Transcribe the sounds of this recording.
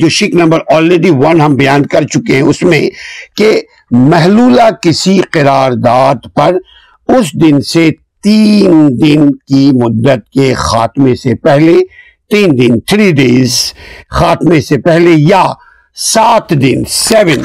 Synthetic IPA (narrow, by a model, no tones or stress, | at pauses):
d͡ʒoːʃɪknɐ̃mbəɾɔːlɾeːɖiʋɐnɦɐmbɐjaːnkɐɾt͡ʃʊkeɦɛ̃ʊsmḛ̃ke | mɛɦluːlakɪsiqɪɾaːɾd̪aːd̪pɐɾ | ʊsd̪ɪnset̪iːnd̪ɪnkimʊd̪ːət̪̚kexa̰ːt̪mẽsepɛɦle | t̪iːnd̪ɪnt̪ʰɾiːɖeːzxaːt̪mẽsepɛɦleja | saːt̪ʰd̪ɪnsɛːʋən